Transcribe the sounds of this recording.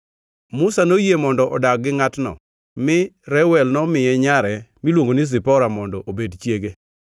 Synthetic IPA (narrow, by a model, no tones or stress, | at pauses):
mʊsanojemɔndɔʔɔdak̚ɡɪŋatnɔ̰ | mɪɾɛwɛlnɔmɪjɛɲaɾɛmilwoŋɡonis̬ɪpɔɾamɔndɔʔobedt͡ʃjeɡe